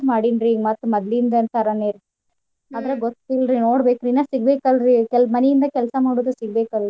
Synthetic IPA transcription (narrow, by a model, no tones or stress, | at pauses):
maːɽinɾimɐt̪ːumɐd̪lind̪ɐnt̪ɐɾɐneːɾ | aːd̪ɐɾeɡɔt̪ːilɾinoːɽbeːkɾinaːsiɡ̚beːkalɾikɛlmɐnɛjind̪ɐkɛlɐsɐmaːɽod̪usiɡ̚beːkali